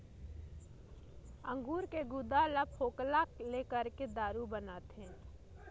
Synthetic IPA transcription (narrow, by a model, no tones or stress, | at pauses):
ə̃ŋɡuːɾkeɡud̪alapʰoːklakleːkəɾked̪aːɾubənaːt̪ɦẽː